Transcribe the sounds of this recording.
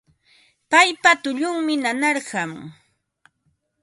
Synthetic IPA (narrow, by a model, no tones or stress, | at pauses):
pajpat̪ʊʎʊŋmɪnanɑɾɢɑm